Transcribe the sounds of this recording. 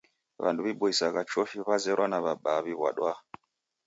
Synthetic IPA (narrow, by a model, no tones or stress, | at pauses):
βa̰nduβiɓuisakat͡ʃɔʃiβazɛɾwanaβaɓaβiβwa̰ɗwa